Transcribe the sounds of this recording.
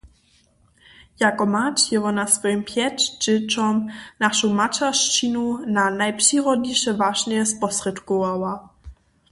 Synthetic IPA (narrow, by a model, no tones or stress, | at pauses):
jakɔmat͡ʃjɛvɔnasvɔjimpʰjɛtd͡ʒɪt͡ʃɔmnaʃumat͡ʃaʃt͡ʃinunanajpʂiʁɔdɲiʃɛvaʒnɛɛspɔsrɛt̪kɔawa